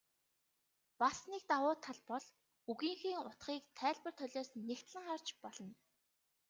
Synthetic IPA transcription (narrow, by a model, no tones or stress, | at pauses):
pasnik̚t̪awʊːt̪ʰaɮpɔɮ | uɣiːŋxiːŋʊt̪χiːkt̪ʰæːɮpə̆r̥t̪ʰœɮʲoːsnːext̪ɮə̆ŋχart͡ɕpɔɮ̥ɞ̆n